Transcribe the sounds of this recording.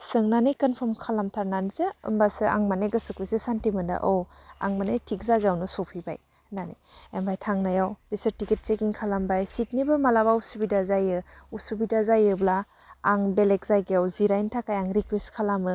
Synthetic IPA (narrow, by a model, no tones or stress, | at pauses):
sɯŋnanɯjkɐnpʰɔɾmkʰalamtʰaɾnanizɯɯ̰mbasɯa̰ŋmaneɡɐsɯkisesantimɯnda̰ʔɔwa̰ŋmanejtʰikzaɡejawnɯsopʰiba̰j | nanḛembajtʰaŋnajawb̥isɐɾtikit̚t͡ʃekiŋkʰalambajsit̚nibɯmalaβausubidazajɯusubidazajɯblaː | ŋbelek̚zajɡeawziɾajntʰakajaŋɾikwestkʰalamɯ